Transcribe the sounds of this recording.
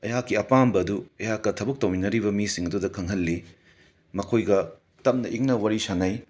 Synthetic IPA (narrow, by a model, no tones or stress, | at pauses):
ɐjakːiɐpambɐːduɐjakːɐtʰɐbɐk̚tɐwinɐɾibɐmisiŋɐdudɐkʰɐŋɦɐlːi | mɐkʰojɡɐ | tɐp̚nɐʔiŋnɐwaɾisanɐj